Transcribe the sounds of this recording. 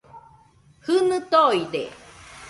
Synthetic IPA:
hɯnɯt̪oid̪ḛ

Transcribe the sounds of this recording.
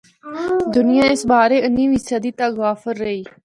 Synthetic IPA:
d̪ʊnɪjãːɪsɓaːɾeːənːĩːʋisaːd̪iːt̪aɣaːfəɾːəɦiː

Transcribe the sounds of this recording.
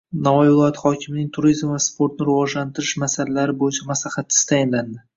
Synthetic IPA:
navɒjvɪlˠɒjat̪χɒkʲʰɪmɪnɪŋt̪ʰʊɾizmvaspʰo̞ɾt̪nɪɾɪvɒd͡ʒlant̪ʰɪɾɪʃmasalalaɾɪbojɪt͡ʃʰamaslaχat̪ʰːɪ̥st̪ʰajɪnland̪ɪ

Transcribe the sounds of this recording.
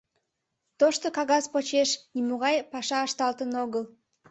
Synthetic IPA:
t̪oʃt̪okɑɣɑzpot͡ɕeʃnimoɣɑjpɑʃɑːʃt̪ɑlt̪ənoɣəl

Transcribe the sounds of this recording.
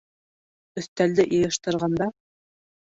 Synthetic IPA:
ɵ̆θt̪æld̪ɘʔɤ̆jɤ̆ʃt̪ɤ̆ɾʁɑnd̪ɑ

